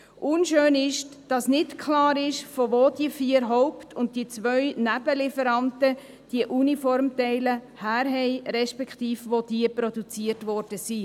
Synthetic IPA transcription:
ʔʊnʃøːnɪʃd̥ɑsnɪtkʰlɑːɾɪʃfovoːdiəfiəɾɦɔʊptʰʊnt̚d̥iət͡sʋœʏnæb̥əlɪfəɾɑntə | d̥iəʔunifɔɾmtɛɪlə | hæːɾɦɛɪɾɛʃpɛkχtiːfvod̥iəpɾɔdut͡siəɾtvɔɾd̥əsi

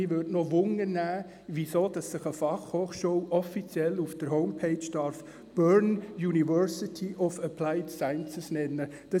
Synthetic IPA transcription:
ɪʋødnoʋʊŋːənæː | ʋisoːd̥ɑsːɪχəfɑχhoːχʃuwʔɔfit͡sjɛlufd̥əɾɦoʊmpʰeɪt͡ʃd̥ɑɾf | b̥œɹnjunivœɾsɪtʰiʔɔfəpʰlaɪtsaɪnt͡səsnɛnːə | d̥ɑ

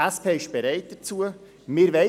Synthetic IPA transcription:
æspʰeːɪʃb̥ɛɾæɪt̚d̥ət͡suə | mɪːɾʋɛɪ

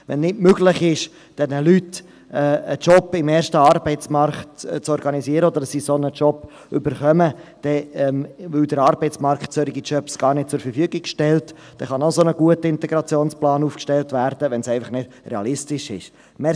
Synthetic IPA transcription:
ʋɛ̰nnɪdmøɡlɪχɪʃ | d̥ɛnəlyt | ɛːət͡ʃɔpːɪmɛːɾʃtəɑɾbɛɪt͡smɑɾktt͡sɔɾɡɑnisiəɾəɔd̪əɾsisonət͡ʃɔp | ʏbəɾχœməd̥ɛɛmvɪld̥̪əɾɑːɾbɛɪtt͡smɑɾktt͡søɾɪɡit͡ʃœpsɡ̥ɑːrnɪt̚t͡sʊɾfəɾfyəɡɪɡʃtɛlt | d̥ɛχɑnosonəɡuətəɪntɛɡɾɑt͡sjoːnsplɑːnuːfkʃtɛltvæːɾd̥əʋɛnsɛɪfɑχnɪd̥rɛɑlɪstɪʃɪ̰ʃ | mɛ

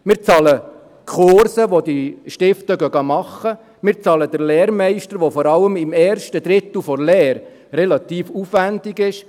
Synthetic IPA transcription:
mɪːɾt͡sɑlə | kʰoɾsəʋod̪iʃtɪftəɡœɡɑmɑχːə | mɪːɾt͡sɑːlədəɾlɛːɾmɛɪʃtəɾʋofɔɾɑləmɪmɛːɾʃtəd̥̪ɾɪt̪l̩ˠfɔɾlɛːɾː | ɛlɑt̪iːfufʋændɪɡɪʃ

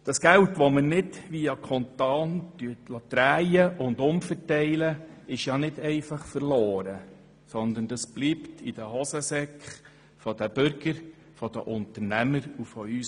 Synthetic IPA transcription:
d̥ɑsɡ̥æwtʋɔmənɪdʋiːɑkʰɔnt̪ɑːntytlɑt̪ɾæːjəʔʊndʊmfəɾtɛɪləɪʃjɑːnɪdɛɪfɑχfəɾloːɾə | sɔnd̪ənd̥ɑsb̥liːptʰid̥əhɔsəsɛkχ | fɔd̥əb̥ʏɾɡ̥əɾ | fɔd̥̪ə̰ʔʊnt̪əɾnæməɾufɔys

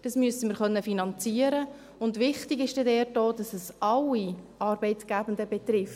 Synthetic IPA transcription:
d̥ɑsmyəsəməɾχœnːəfinɑnt͡siːəɾə | ʊndʋɪχtɪɡɪʃd̥ɛdɛːɾdoːd̥ɑsɛsʔɑlːi | ɑːɾbɛɪtɡ̥æbəndəbɛt̪ɾɪf

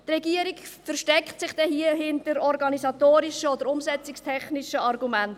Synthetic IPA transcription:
tɾɛɡiəɾikfəɾʃtɛkχtsɪχd̥ɛhiəɦɪntəɾɔɾɡɑnizɑtoːɾiʃəɔd̪əɾʊmsɛt͡sɪkstʰɛχnɪʃəɑrɡumænt

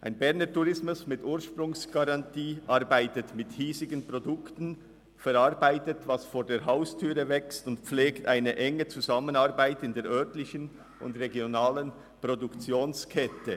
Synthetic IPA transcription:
ʔaɪnbɛʁnətuʁɪsmʊsmɪtʔuːʃpɾʊŋsɡ̥aʁɑntʰiːʔɑɾbaɪtətmɪthiːzɪɡənpʁ̥odʊktn̩ | fɛɾɑʁbaɪtətvɑsfoːɾdeːɾɦaʊstʰyːʁəvɛkstʊntpp͡fleːktaɪnəʔɛŋət͡suzɑmənɑʁbaɪtɪndeːʔœɐtlɪçən | ʊ̰ndʁeɡjonaːlən | pʁ̥odukt͡sjoːnskʰɛtə

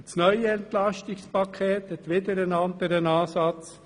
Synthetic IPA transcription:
snœʏəɛnt̪lɑʃtɪkspɑkʰeːt̪hɛt̪ʋɪd̪əɾənɑnd̪əɾənɑːsɑt͡s

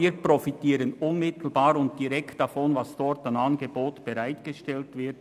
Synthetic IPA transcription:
iːəprɔfitiːɾənʊnmɪtl̩baːɾʊnt̚d̥iɾɛktd̥ɑfɔnvɑsd̥ɔɾtanɑnɡeboːtb̥ɛɾaɪtɡ̥eʃtɛltvɪɐt

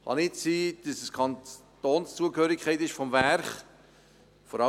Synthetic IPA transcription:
χɑ̰nɪt͡siːd̥əsəskʰɑnttoːnst͡suəkhøːɾɪkʰχɛɪtɪʃfɔmvæɾχ | fɔɾɑ

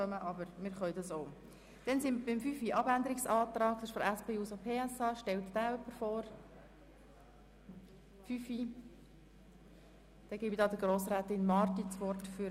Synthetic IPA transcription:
œməʔɑbəɾmɪːɾχœʏdɑsoʊ | d̥ɛnsɪnbɪmfyfiʔɑbænd̪əɾɪksɑːt̪ɾɑːk̚d̥ɪʃfɔɾæspeːuːsopʰeːæsɑːʃtɛlt̪d̥æːœpːəɾfɔːɾ | fyfi | d̥ɛɡ̥ibid̪ɑːd̪əɡ̥ɾoːsɾæːt̪ɪnmɑrt̪it͡sʋɔrtfy

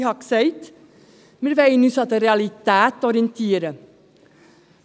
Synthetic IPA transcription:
hɑksœʏt̪ | mɛɾʋæɪnʉːsɑt̪əɾɛɑlɪt̪æːt̪ɔɾənt̪ʰiːəɾə

